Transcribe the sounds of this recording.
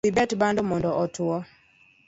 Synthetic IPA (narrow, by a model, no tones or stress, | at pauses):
ibɛtbandɔmɔndɔʔɔtuɔ